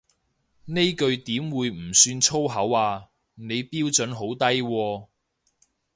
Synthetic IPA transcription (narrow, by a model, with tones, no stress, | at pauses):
ne˥jkɵ˧ɥt̪iː˨˥mwuː˨˧jm̩˨˩syː˧nt͡ʃʰo˥wɦɐ˨˥waː˧ | ne˨˧jpiː˥wt͡sɵ˨˥nɦo˨˥wt̪ɐ˥jwɔː˧